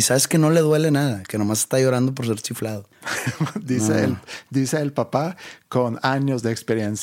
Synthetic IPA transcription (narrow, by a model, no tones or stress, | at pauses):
isaβe̞ske̞no̞le̞ðwe̞le̞naðake̞nomas̬est̪ajo̞ɾand̪o̞p̬oɾs̬eɾt͡ʃiflaðo | d̪iseld̪iseːlpapakonaɲozðeːkspeɾjens